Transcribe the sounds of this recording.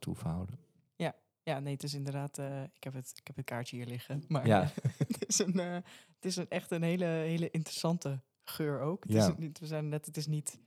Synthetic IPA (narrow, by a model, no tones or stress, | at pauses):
tʰṵfəawdə | ja | jaːnejətɪs̬ɪndəɹdaːtəɪkhɛpətɪkɦɛpət̚ka̰ːɹtəiːɹlɪχəmaːɹtɪsənətɪsənʔɛχtənɦejləɦejləʔɪntrəsɑntə | χøːɹowkətɪsnitʋəzɛjnnːɛtətɪsnit